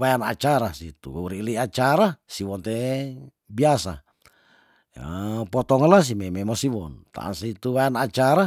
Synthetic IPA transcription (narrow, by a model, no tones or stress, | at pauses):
wajana̰t͡ʃaɾasit̪ṵɾiliat͡ʃaɾasiwɔnt̪e | biasa̰ | a̰pɔt̪ɔŋlas̬imememosiwɔnt̪a̰a̰nsit̪uwajanat͡ʃaɾa